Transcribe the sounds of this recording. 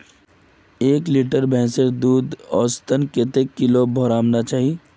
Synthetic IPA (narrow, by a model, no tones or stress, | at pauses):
eːkliʈəɾbʱɛ̃ːseɾd̪uːd̪ɔːst̪ənket̪ekːɪlobʱɔːɾãːmnat͡ʃaːɦie